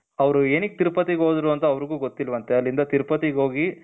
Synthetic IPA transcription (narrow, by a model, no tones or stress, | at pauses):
ɐʋɾueːnik̚t̪iɾpɐt̪iɡɦoːd̪ɾuɐnt̪ɐɐʋɾiɡuːɡot̪ːilːɐʋɐnt̪eɐlːind̪ɐt̪iɾpɐt̪iɡɦoːɡi